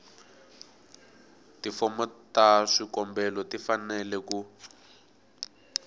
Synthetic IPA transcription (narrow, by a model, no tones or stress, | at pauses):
tifɔmɔtaʂikɔmbɛlɔtifanɛlɛku